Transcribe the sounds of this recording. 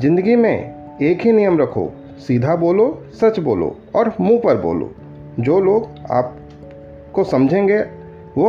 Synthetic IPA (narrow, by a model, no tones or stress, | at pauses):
zɪ̃nd̪əɡimḛ̃ | eːkɦinijəmɾɐkʰo̰ | siːd̪ʱaboːlo | sɐt͡ʃboːlo̰ | ɔːɾmũːpəɾbo̰ːlo̰ | d͡ʒoːloːɡa̰ːp̚ | kosɐmd͡ʒʱẽŋɡe | ʋo